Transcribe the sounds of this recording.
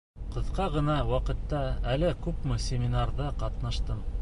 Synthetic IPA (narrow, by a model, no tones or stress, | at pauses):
qɤ̆ðqɑʁɤ̆nɑwɑqɤ̆t̪ːɑælɘkʉpmɘsʲɪmʲɪnarðɤqɑt̪nɑʃt̪ɤm